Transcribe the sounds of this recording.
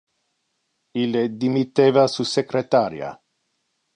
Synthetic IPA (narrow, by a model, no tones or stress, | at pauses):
ilːed̪imit̪eːvasusekɾet̪aɾja̰